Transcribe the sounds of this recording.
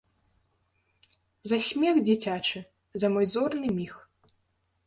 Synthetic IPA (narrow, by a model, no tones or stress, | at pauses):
zɐsʲmʲɛɣd͡zʲit͡sʲat͡ʂɨ | zɐmɔjd̪zɔrnɨmʲix